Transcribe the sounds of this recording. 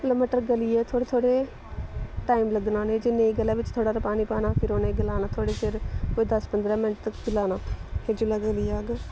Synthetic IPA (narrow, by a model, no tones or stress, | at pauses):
ləməʈəɾɡəliːɛːt̪ʰoːɽeːt̪ʰoːɽeː | ʈaːiːmləɡnãːnẽːd͡ʒɪnːẽɡəlaːʋɪt͡ʃt̪ʰoːɽaːɾəpaːniːpaːnãːpʰɪɾoːnẽːɡɪlaːnaːt̪ʰoːɽeːsʰɪɾkoːeːd̪əspənd̪ɾaːmɪnʈ̚t̪əkɡɪlaːnãːheːd͡ʒʊlaːɡəliːaːɡ